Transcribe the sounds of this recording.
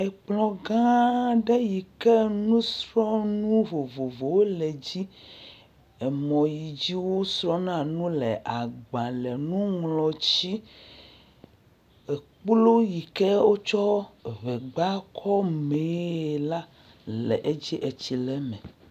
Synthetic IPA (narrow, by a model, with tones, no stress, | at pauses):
ɛ˨k͡plɔ̃˨ɡã˦ɖɛ˦ji˨kɛ˦nũ˦sɾɔ˦nũ˦vo˨vo˨vo˨wo˦lɛ˨d͡ʑi˦ | ɛ˨mɔ̃˨ji˨d͡ʑi˦wo˦sɾɔ̃˦nã˨nũ˦lɛ˨ʔa˨ɡ͡bã˨lɛ˨nũ˦ŋlɔ˨t͡ɕi˦ | ɛ˨k͡plo˦ji˨kɛ˦wo˦t͡ʃɔ˦βɛ˨ɡ͡ba˦kʰɔ˦me˨˦˨la˦ | lɛ̰˨ʔe˦d͡ʑi˦ʔe˨t͡ɕi˨lɛ˦mɛ̃˨